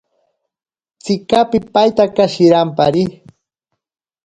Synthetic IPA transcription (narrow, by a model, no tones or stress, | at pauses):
t͡sɪkapɪpajt̪akaʃɪɾampaɾɪ